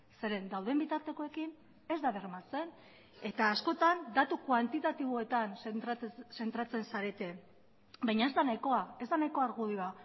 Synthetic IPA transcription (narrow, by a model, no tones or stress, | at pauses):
se̞ɾe̞nd̪awðe̞mbit̪aɾt̪e̞ko̞e̞kin | e̞zd̪aβe̞rmat͡se̞n | e̞t̪aːsko̞t̪and̪at̪ukwant̪it̪at̪iβ̞o̞e̞t̪an | se̞nt̪ɾat͡se̞nsaɾe̞t̪e̞ | bajɲae̞zd̪anajko̞ae̞zd̪anajko̞aɾɣuðiβa